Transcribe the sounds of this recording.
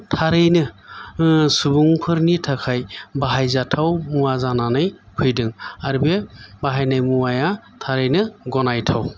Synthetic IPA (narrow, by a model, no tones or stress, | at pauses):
tʰaɾɯjnɯ | subuŋpʰɯɾnitʰakʰajbaɦajzatʰawmuwazananɯj | kʰɯjdɯŋaɾbebaɦajnajmuwaja | tʰaɾɯjnɯɡɔnajtʰaw